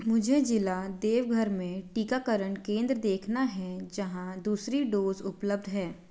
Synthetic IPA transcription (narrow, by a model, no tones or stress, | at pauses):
mʊd͡ʒʱed͡ʒɪlad̪eːʋɡʱəɾmẽʈiːkakəɾəɳkẽːnd̪ɾəd̪eːkʰnaɦɛd͡ʒɐɦãd̪uːsɾiɖoːzʊpləb̚d̪ʱɦɛː